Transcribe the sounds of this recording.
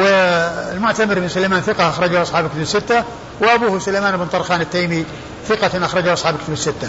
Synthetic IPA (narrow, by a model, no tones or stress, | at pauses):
wɪlmʊʕt̪amɪɾmɪnsʊlajmaːnθɪqɑʔaxɾˤɑd͡ʒahʔɑsˤħɑːblkɪt̪abɪsːɪt̪ːa | wɪʔabuːhsʊlajmaːnɪbɪnt̪ˤɑɾˤxaːnɪt̪ːeːmi | θɪqɑnʔaxɾˤɑd͡ʒʊʔɑsˤħɑːblkɪt̪abɪsːɪt̪ːa